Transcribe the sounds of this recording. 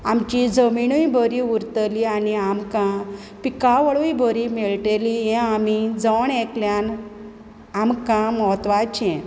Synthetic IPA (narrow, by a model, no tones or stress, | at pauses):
amt͡ɕid͡zəmiɳuibʱəɾiuɾt̪əlianiamkã | pikaʋəɭujbʱəɾimɛɭʈelijɛ̃amid͡zəɳekljan | amkãmɔt̪ʋat͡ɕɛ̃